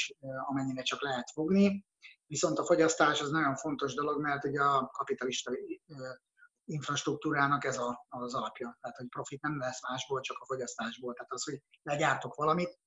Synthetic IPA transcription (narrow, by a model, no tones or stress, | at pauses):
ɒmɛɲːiɾɛt͡ʃɒklɛɦɛt̪fo̞ɡni | viso̞nt̪ɒfo̞ɟɒst̪aːʃɒznɒɟo̞ɱfo̞n̪t̪o̞ʒd̪o̞lo̞ɡmɛrt̪huɟɛɒkɒpit̪ɒliʃt̪ɒ | iɱfrɒʃt̪ruk̚t̪uːɾaːnɒkɛzɒːzɒlɒpjɒt̪ɛɦaːt̪ho̞cpro̞fit̪̚nɛmlɛsmaːʒboːlt͡ʃɒkɒfo̞ɟɒst̪aːʒboːlt̪ɛɦːt̪ɒsho̞ɟlɛɟaːrt̪o̞kʋɒlɒmit̪